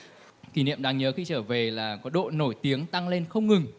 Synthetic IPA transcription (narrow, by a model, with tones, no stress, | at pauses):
ki˧˩nḭ˧˨əmɗaː˧ŋɲəː˨˦xi˧t͡ɕəː˧˩ve˨˩laː˨˩kɔ˨˦ɗo̰˧˨no˧˩jt̪i˨˦əŋt̪a˧ŋle˧nxə˧wŋ͡mŋɨ˨˩ŋ